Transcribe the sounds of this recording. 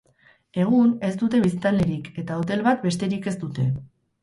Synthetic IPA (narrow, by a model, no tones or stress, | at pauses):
e̞ɣ̞une̞st̪ut̪e̞βist̪ale̞ɾike̞t̪aot̪e̞lβat̪be̞st̪e̞ɾike̞st̪ut̪e̞